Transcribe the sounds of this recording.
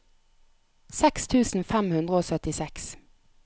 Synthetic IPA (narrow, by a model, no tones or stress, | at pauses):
sɛkst̪ʰʉːsn̩fɛmhʉnd̪ʁəoːsœt̪ɪsɛks